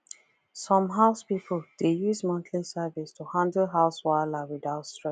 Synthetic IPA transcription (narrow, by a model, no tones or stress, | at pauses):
sɔ̃mɦaʊspipʰəld̥ejuzmãntʰlĩsɛvistʰuhãndəlɦaʊswalawidaʊtstɹɛ